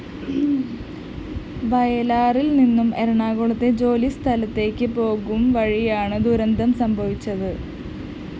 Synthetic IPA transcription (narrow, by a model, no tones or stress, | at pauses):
bɐjɐlaːrilninːumeɾuɳaːɣuɭɐt̪ːed͡ʑo̞ːlist̪ʰɐlɐt̪ːe̞ːkʲːɨpo̞ːɣumʋɐɻijaːɳɨd̪uɾɐnd̪ʱɐmsɐmbʱɐʋit͡ɕːɐðɨ